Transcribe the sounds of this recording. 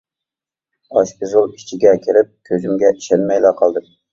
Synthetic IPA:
ɑʃpʲɨzulˠi̥t͡ʃʰiɡʲɛkʲʰiɾɪp̚kʲʰøzymɡʲɛʔi̥ʃɛnmɛjlæqʰɑlˠd̪ɨm

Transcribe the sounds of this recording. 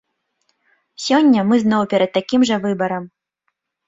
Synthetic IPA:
sʲɔnʲːɐmɨznɔwpʲɛɾɐd̪̚t̪ːakʲimʐɐvɨbɐɾɐm

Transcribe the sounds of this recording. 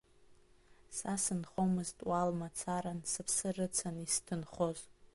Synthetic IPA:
sasɨnχomɨztʼwalmat͡sʰaɾansɨpʰsɨrɨt͡sʰanistʰɨnχo̞z

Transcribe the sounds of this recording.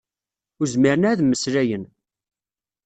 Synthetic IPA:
ʊɾzmiɾənæðmːəsɾæjən

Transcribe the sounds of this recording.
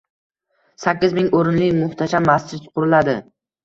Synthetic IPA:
sakʲːɪzmɪŋoɾɪnlɪjmʊht̪ʰaʃamːast͡ʃɪt̪qʰʊɾɪlad̪ɪ

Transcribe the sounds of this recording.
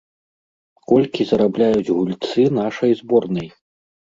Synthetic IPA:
kɔlʲkʲizɐɾablʲajut͡sʲɣulʲt̪sɨnaʂɐjzbɔrnɐj

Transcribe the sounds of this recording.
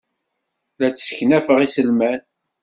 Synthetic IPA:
læt͡sːsə̥çnæfəʁisəlmæn

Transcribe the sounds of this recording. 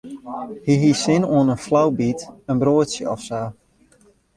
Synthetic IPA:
hiɦisɪnoənənflawbitənbroətsjəɔfsaː

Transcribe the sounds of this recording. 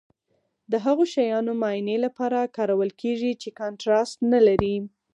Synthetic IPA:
d̪əɦaɣoʃajɑnomɑjnelapɑɾakɑɾawəlkʰeʐit͡ʃekɑɳʈɾastnalaɾi

